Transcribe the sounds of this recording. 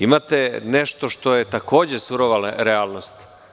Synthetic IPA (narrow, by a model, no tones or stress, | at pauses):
imat̪eneʃt̪o̞ʃt̪o̞jet̪akʰo̞ːd͡ʑesuɾoʋalaɾeaːlˠno̞st̪